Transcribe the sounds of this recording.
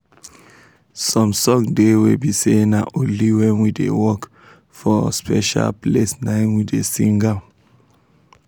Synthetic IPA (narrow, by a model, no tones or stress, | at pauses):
sɔ̃msɔ̃ŋdewilbisenaʔoliwɛ̃nwidḛwɔk | fɔspɛ̰ʃa̰lplesnãɪ̃nwidesĩŋɡal